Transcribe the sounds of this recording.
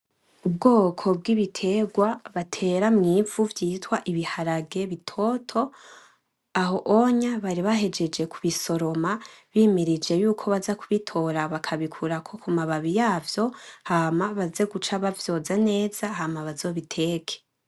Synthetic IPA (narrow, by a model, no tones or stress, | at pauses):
ubɡoːkʰo̞b̚ɡiβitʰe̞ɡwaβatʰe̞ɾamŋiːvuvjiːtwaʔiβihaɾaɡe̞βitʰo̞tʰo̞ | aɦo̞ʔoɲaβaɾiβahe̞d͡ʒe̞d͡ʒe̞kʰuβiso̞ɾo̞maβiːmiɾid͡ʒe̞juːkʰo̞βazakʰuβitʰo̞ɾaβakʰaβikʰuɾakʰo̞kumaβaβijaːvjo̞hamaβaze̞ɡut͡ʃaβavjo̞ːzane̞ːz̥ahamaβazo̞ːβitʰe̞ːkʰe̥